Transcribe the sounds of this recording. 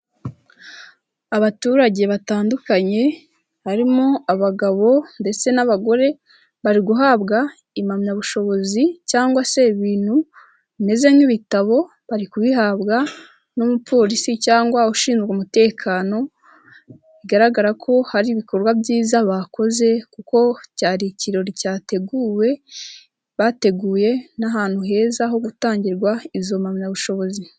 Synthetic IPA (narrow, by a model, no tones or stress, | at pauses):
aβatuːɾaɟe̞βataːndukaɲe̞ | haɾimoaβaɡaβo̞nde̞t͡se̞naβaɡo̞ɾe̞ | βaɾiɡuɦaβɡa | imamɲaβuʃo̞βo̞zicaːŋɡwase̞βiːn̥hu | βime̞ze̞ɲiβitaβo̞ | βaɾikuβiɦaβɡa | nomupʰo̞ːɾisicaːŋɡwauʃiːnzɡomute̞ːkʰaːno̞ | iɡaɾaɡaɾakʰo̞haɾiβiko̞ɾɡwabɟiːzaβako̞ze̞kuko̞caːɾiciɾo̞ɾicaːte̞ɡuːwe̞ | βate̞ɡuːje̞naɦaːn̥huɦe̞ːzaɦo̞ɡutaːɲɟiɾɡwaizo̞mamɲaβuʃo̞βo̞zi